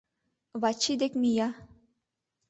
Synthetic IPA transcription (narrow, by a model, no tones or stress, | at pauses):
βɑt͡ɕːid̪ekmijɑ